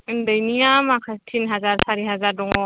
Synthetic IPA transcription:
ndəjnijamakʰatʰinɦazaɹsaɾiɦazaɾdɔŋɔ

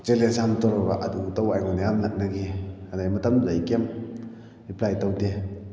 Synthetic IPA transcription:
t͡ʃelesamtɔɾɔɡaʔadutawajŋɔnajamnak̚naɡiadajmatamzajkem | iplajtawde

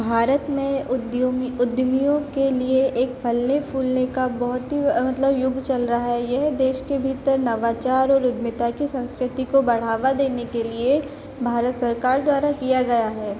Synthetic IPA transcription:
bʱaːɾət̪mẽʊd̪ʊd̪mijõkelieʔeːkpʰɐlnepʰuːlnekabɐɦʊt̪ɦimɐt̪ləbjʊɡt͡ʃɐlɾaɦaɦɛjɛɦd̪eːʃkebʱiːt̪əɾnɐʋaːt͡ʃaːɾɔːɾʊd̪mɪt̪akisɐ̃nskɾɪt̪ikobɐɽ̤aːʋad̪eːnekelie | bʱaːɾət̪sɐɾkaːɾd̪waːɾakijaɡɐjaɦɛː

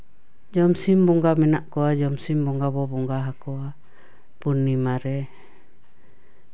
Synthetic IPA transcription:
d͡ʒɔmsimbɔŋɡamɛnaʔkɔad͡ʒɔmsimbɔŋɡaβɔbɔŋɡaɦakɔa | punːimaɾɛ

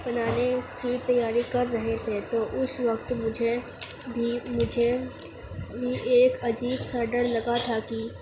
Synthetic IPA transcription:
bɐnaːnekit̪ɐjːaːɾikɐɾːɐɦet̪ʰet̪oʔʊsʋɐkt̪mʊd͡ʒʱe | bʱimʊd͡ʒʱe | bʱiʔeːkɐd͡ʒiːbsɐɾɖəɾlɐɡat̪ʰaki

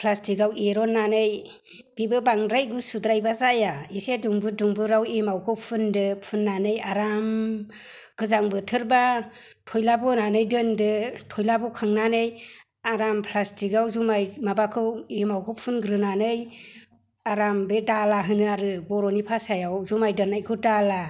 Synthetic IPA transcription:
pʰlastiɡaweɾɔnːanɯj | b̥ibɯbaŋdɾajɡusudɾajbazajaiseduŋbɯduŋbɯɾawemawkʰɯpʰundɯpʰunːanɯjaɾam | ɡ̥ɯzaŋbɯtʰɯɾba | tʰɔjlabɔnanɯjdɯndɯtʰɔjlabukʰaŋnanɯj | aɾampʰlastʰiɡawzumajmabakʰɯwemawkʰɯpʰunɡɾɯnanɯj | aɾambedalaɦɯnɯaɾɯbɔɾɔnipʰasajawzumajdɯnːajkʰɯdala

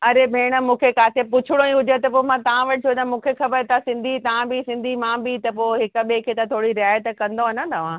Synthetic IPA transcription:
ɐɾebʱeːɽ̃ə̆mũːkʰekaːt̪ʰepʊt͡ɕʰɪɽ̃õĩɦʊd͡ʑet̪ɐpomãt̪ɐʋ̤ãʋɐʈʰɪt͡ʃʰot̪amũːkʰexɐbəɾt̪ʰasɪ̃nd̪ʱit̪ɐʋãbʱisɪ̃nd̪ʱimãːbʱit̪ɐpoːɦɪkə̆ɓekʰeːt̪at̪ʰoːɽiɾɪaːjət̪kɐ̃nd̪onət̪ɐʋ̤ã

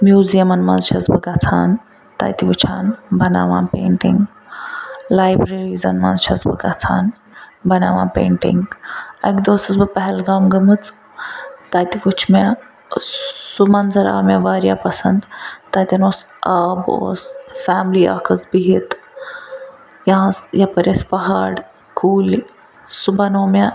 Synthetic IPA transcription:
mjuːzijɐmɐnmɐnzt͡ʃʰɐzbɐɡat͡sʰaːn | t̪a̰jt̪iʋut͡ʃʰaːnbɐna̰ːʋãːpḛːɳʈiŋɡ | laːjbɾeɾizɐnmɐ̰nzt͡ʃʰɐzbɨ̰kat͡sʰaːn | bɐnaːʋãːpḛːɳʈḭŋɡɐ̰kd̪oːsɨsbɨpɐɦɛlɡaːmɡɐmɨt͡s | t̪aːt̪ʲikut͡ʃʰme | sumɐnzɐɾa̰ːmeʋaːɾjaːpɐsɐ̰nd̪t̪aːt̪ʲɐnoːs | aːbo̰ːsfaːmlia̰ːkʰɐsbiɦit̪ | jɐɦãsjɐpɐɾɐspɐɦaːɽ | kuːli | subʱɐnoːme

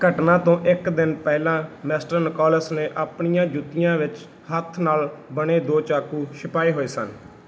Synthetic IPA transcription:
ɡʱəʈnãːt̪õːʔɪkd̪ɪnpɛːlãːmɛːsʈəɾnəkɔːləsneːʔaːpɳijãːd͡ʒʊt̪ːɪjãːʋɪt͡ʃ | hət̪ʰnaːlbəɽ̃eːd̪oːt͡ʃaːkuːʃʰɪpaːiːɦoːeːsə̰n

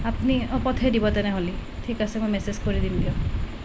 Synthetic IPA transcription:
apniɔpɔt̪ʰeɾibɔt̪eneɦolitʰikasemɔ̃jmesezkɔɾid̪imd̪ijɔ

